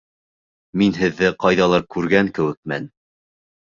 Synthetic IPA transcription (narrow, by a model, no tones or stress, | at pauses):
minɦɘ̆ðːɘqɑjðɑlˠɑɾkʉɾɡæŋkɘ̆wɘ̆k̚mæn